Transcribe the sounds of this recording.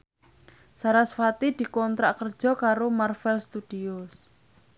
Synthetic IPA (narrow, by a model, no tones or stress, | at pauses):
saɾasfat̪id̪̥i̤kɔnt̪ɾaʔkərd̥ʒ̥ɔ̤kaɾomarfɛlst̪ud̥ios